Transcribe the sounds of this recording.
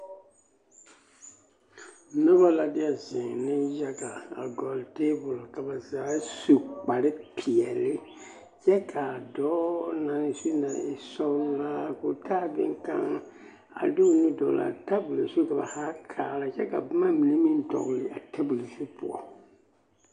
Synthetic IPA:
nɔ˦ba˦la˨dɪ˦a˨zɪ˨nɪ˦ja˦ɡa˨a̰˨ɡɔ˨lte˦bʊ˨lka˨ba˨zaː˨˦su˨k͡pa˨ɾɪ˦pʰi˨ɛ˨lɪ˦ | t͡ʃɛ˦kʰa˨dɔː˦na˨nɪ˨su˦na˨ɪ̰˨sɔ˦lla˦ko˨tʰaː˦˨bɪ̰˦ŋ˦ka̰˦ŋ | a̰˨du˦˨ni˦dɔ̰˨la̰˨ta˦bu˨le˨su˦ka˨ba̰˨ha˦kʰaː˨la˨t͡ʃɛ˦ka̰˨bma˦mi˨ne˦mĩ˦n˦tɔ̰˨ɡlɪ˨˦a˨tʰa˦bu˨le˨su˦pʊ̰˨ɔ̰˦

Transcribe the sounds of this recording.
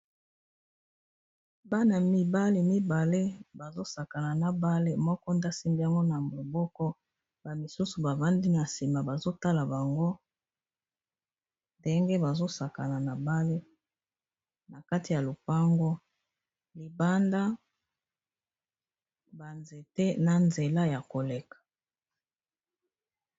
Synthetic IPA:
ba˦na˨mi˦ba˦le˨mi˦ba˨le˦ba˨zo˦sa˨ka˨na˨na˨ba˦le˦mɔ˦kɔ˦nda˦si˦mbi˦ja˦ŋɡo˦na˨mo˨bɔ˦kɔ˦ | ba˨mi˨su˦su˨ba˨va˦ndi˦na˨si˨ma˨ba˨zo˦ta˦la˨ba˨ŋɡo˦ | nde˦ŋɡe˦ba˨zo˦sa˨ka˨na˨na˨ba˦le˦ | na˨ka˦ti˨ja˨lo˨pa˦ŋɡo˦ | li˨ba˦nda˦ | ba˨nze˨tɛ˦na˨nze˨la˦ja˨ko˨le˨kḁ˨

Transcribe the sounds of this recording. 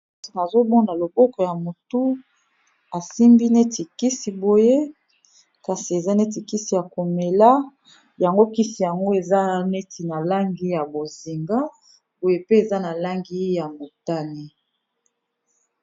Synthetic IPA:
na˨zo˦bɔ˦na˨lo˨bɔ˦kɔ˨ja˨mo˨tu˦ | a˨si˦mbi˦ne˦ti˨ki˦si˨bo˨je˦ | ka˨si˨e˨za˦ne˦t̬i˨ki˦si˨ja˨ko˨me˨la˦ | ja˨ŋɡo˦ki˦si˨ja˨ŋɡo˦e˨za˦ne˦tʰi˨na˨la˦ŋɡi˦ja˨bo˨zi˨ŋɡa˦ | bo˨je˦pe˦e˨za˦na˨la˦ŋɡi˦ja˨mo˨ta˦ni˦

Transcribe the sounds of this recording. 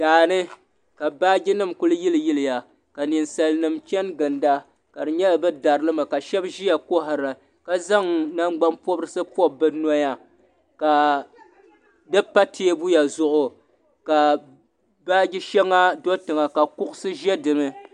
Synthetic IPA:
daː˨nɨ˦ | ka˨baː˦ɡʲi˦nɨ˦˨mkʊ˦lɨ˦ji˦lɨ˨ji˦lɨ˨ja˨ | ka˨nɨ˨nsa˨lnɨ˨mt͡ʃɛ˦nɡɨ˨nda˦ | ka˨dɨ˨ɲɛ˦la˨bɨ˦da˨ɾɨ˦lɨ˦ma˨ka˨ʃɛ˦bʒi˦ja˨ko˦ɦa˨ɾa˨ | ka˦za˦ŋna˦ŋ͡mɡ͡ba˦mpɔ˦bɾɨ˦sɨ˦pɔ˦bɨ˦nɔ˦ja˦ | ka˨ | dɨ˦pa˦tʰeː˦bu˦ja˨zʊ˦ʔʊ˨ | ka˨ | baː˦ɡʲɪ˦ʃɛ˦ŋːa˦do˦tɨ˨ŋa˨ka˨kʊ˦ʔʊ˦sɨ˦ʒɛ˦dɨ˨mɨ˦

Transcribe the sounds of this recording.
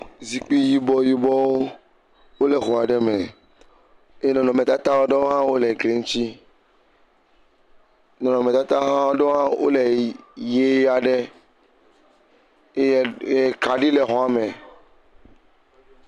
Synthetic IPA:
zi˨k͡pi˦ji˦bɔ˦ji˦bɔ˦wo˦ | wo˦le˨xo˨a˨ɖɛ˦mẽ˨ | e˦nɔ̃˨nɔ̃˨mẽ˨t̪a˦t̪a˦wo˦ɖe˦wo˦ɦã˦wo˦le˨ɡle˦ŋ̩̃˦t͡ʃi˦ | nɔ̃˨nɔ̃˨me˨t̪a˦t̪a˦ɦã˦wo˦ɖe˦o˦ɦã˦wʔo̰˦le˨je˨˦ja˨ɖe˦˨ | e˦˨ka˨ɖi˦le˨ɦɔ̃˨˦a˨mẽ˨

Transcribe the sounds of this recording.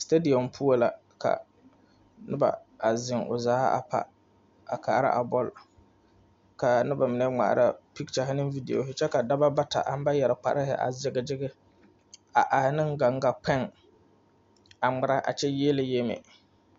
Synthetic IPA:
ste˦di˨ɔ˨mpʰu˦o˦la˨ | ka̰˨ | nɪ˦ba̰˨a˨zɪ˨ŋʊ̰˨zaː˦a̰˨pʰa̰˨ | a˨kʰaː˨˦ɾa̰˦ʔa˨bɔ˦l | ka˨nɪ˦ba˨mɪ˨nɛ˦ŋ͡ma̰˨ʔɾa˦pi˦k̚t͡ʃa˨ɦɪ˦nɪ˦vi˦dḭ˨o̰˨ɦɪ˦t͡ʃɛ˦ka˨da˦ba˦ba˦ta̰˨ʔa˨˦m˦ba˦jɛ˨ɾɪ˨k͡pa̰˨ɾɪ˦ɦɪ̰˨ʔa̰˨zɪ˦ɡɪ˦d͡ʒɪ˦ɡɪ˦ | a˨ʔa˨hɪ˦nɪ˦ŋɡa˨ŋɡa˨pɛ˦ŋ | a˨ŋ͡mɪ˨ɾa˦ʔa̰˨t͡ʃɛ˦je˦lɪ˨je˦mḛ˨

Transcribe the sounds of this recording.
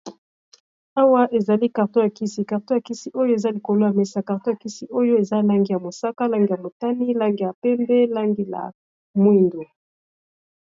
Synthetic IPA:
a˦wa˦ʔe˨za˨li˦ka˨ʁto˦ja˨ki˦si˨ka˨ʁto˦ja˨ki˦si˦ʔo˦jo˦e˨za˦li˨ko˨lo˦ja˨mɛ˦sa˨ka˨ʁto˦ja˨ki˦si˦ʔo˦jo˦e˨za˦la˦ŋɡi˦ja˨mo˨sa˦ka˦la˦ŋɡi˨ja˨mo˨ta˦ni˦la˦ŋɡi˦˨ja˨pɛ˦mbɛ˦la˦ŋɡi˦la̰˨ | mwi˦˨ndo˨

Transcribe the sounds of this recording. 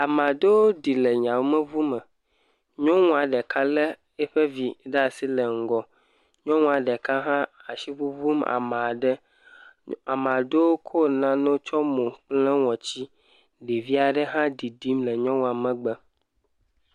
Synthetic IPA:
a˨m˨a˨de˦wo˦di˨le˨ɲã˨wo˦mə̃˦vu˦mə˨ | ɲɔ̃˦ŋũ˦a˨ɖɛ˨ka˦le˦ | e˦ɸe˦vi˨ɖa˦˨si˦le˨ŋ̩˦ɡɔ˨ | ɲɔ̃˦ŋũ˦a˨ɖɛ˨ka˦ɦã˦a˨ʃi˦ɸu˦vu˦ma̰˨ma˨a˨ɖɛ˦ | a˨m˨a˨de˦wo˦kʰo˦nã˦nõ˦t͡ʃɔ˦mõ˨k͡plɛ˦wɔ̃˨t͡ɕi˦ | li˨vi˦a˨ɖɛ˦ɦã˦di˨di˦mlɛ˨ɲɔ̃˦ŋũ˦a˨mɛ̃˨ɡ͡bɛ˦

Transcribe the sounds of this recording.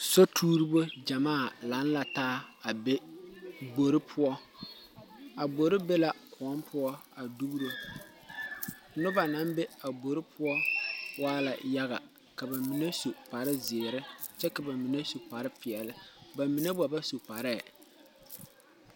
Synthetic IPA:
so˦tʰuː˦ɾi˦bo˦d͡ʒa˨maː˦˨la˨˦n˦la˨taː˦a˨be˦ | ɡ͡bo˨ɾɪ˦pʰʊ˦ɔ˦ | a˨bɡ͡bo˨ɾɪ˦be˦la˨kʰʊ˨ɔ˦mpʰʊ˦ɔ˦a˨du˦bɾo˦ | nʊ˦ba˨na˨˦mbe˦a˨bo˨ɾɪ˦pʰʊ˦ɔ˦waː˦la̰˨ja˦ɣa̰˨ | ka˨ba˨mɪ˨ne˦su˨pa˨ɾɪ˦zɪ˨ɾɪ˦t͡ʃɛ˦ka˨ba˨mɪ˨ne˦su˨pa˨ɾɪ˦pɪ˨ɛ˨lɪ˦ba˨mi˨ne˦ba˨ba˦su˨pa˨ɾɛ˦˨

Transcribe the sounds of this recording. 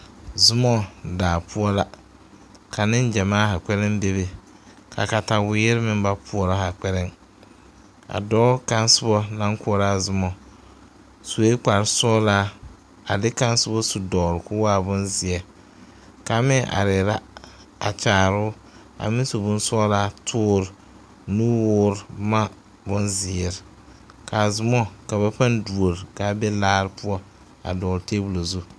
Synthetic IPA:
zʊ˦mɔ˦daː˨pʰʊ˦ɔ˦la˦ | kʰa˨nɪ˦n˦d͡ʒɛ˨maː˦ha˨k͡pɛ˦ɾɪ˦m˦be˦βe˨ | kʰa̰˨ka˨ta˨wɪ˨˦jɪ˦ɾɪ˦mɪ˦m˦ba˦pʰʊ˨ɔ˨ɾa˦ha˨k͡pɛ˦ɾɪ˦ŋ | a̰˨dɔː˦ka˦n˦sʊ˦bɔ˦na˦ŋkʊ˦ɔ˦ɾaː˦zʊ˦mɔ˨ | su˨e˦k͡pa˨ɾsɔː˦laː˦ | a̰˨dɪ˦ka˦n˦sʊ˦bɔ˦su˨dɔː˨ɾɪ˨kʊ˦waː˦˨bʊ˦nzɪ˨ɛ˨ | ka˨˦mɪ˦ʔa̰˨ɾɪ˨ɾa˦ | a̰˨t͡ʃaː˨ɾʊ˦ | a̰˨mɪ˦so˨bʊ˦n˦sɔ˦laː˦tʰʊː˦ɾ | nuː˦wʊː˦ɾma˦ | bʊ˦nzɪ˨ɛ˨ɾɪ˨ | ka˨zʊ˨mɔ˦ka˨βa˦pa˦ndu˨o˨ɾka˨˦bɛ˦laː˦ɾɪ˦pʊ˦ɔ˦ | a̰˨dɔː˨ɾteː˦bu˨lo˨zu˦

